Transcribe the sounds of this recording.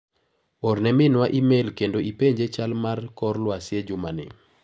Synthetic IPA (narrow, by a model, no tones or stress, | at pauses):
oɾnɛmɪnwaʔimelkendoʔipeɲd͡ʒet͡ʃalmarkɔɾlwasjed͡ʒʊmanɪ̰